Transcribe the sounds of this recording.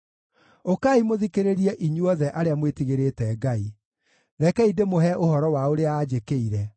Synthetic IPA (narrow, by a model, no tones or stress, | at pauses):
okaimoðikeɾeɾiɛʔiɲuɔðɛʔaɾeamwetiɣeɾetɛɡai | ðɛkɛidemoɦɛʔohɔɾɔwaoɾeaaːd͡ʑekeiɾɛ